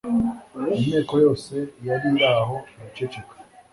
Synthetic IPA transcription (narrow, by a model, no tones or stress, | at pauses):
emɲeːkojo̞ːse̞jaɾiɾaɦo̞eβit͡ʃet͡ʃekwe̥